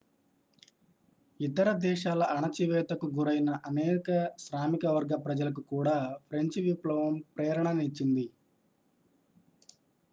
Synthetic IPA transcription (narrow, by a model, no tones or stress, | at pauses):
it̪ɐɾɐd̪ɛːʃaːlɐʔɐɳɐt͡ʃiʋɛːt̪ɐkuɡuɾɐjnɐʔɐnɛːkɐʃɾaːmikɐʋɐɾɡɐpɾɐd͡ʒɐlɐk̬ukuːɽaːpʰɾeɲt͡ʃʋiplɐʋɐmpɾɛːɾɐɳɐnit͡ʃːind̪i